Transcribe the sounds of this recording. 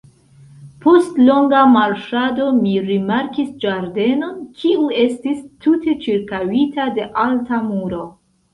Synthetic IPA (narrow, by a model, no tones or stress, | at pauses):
po̞stlo̞ŋɡamaɾʃado̞miɾimaɾkisd͡ʒaɾde̞no̞kʰiue̞stistute̞t͡ʃiɾkawitade̞ʔaltamuɾo̞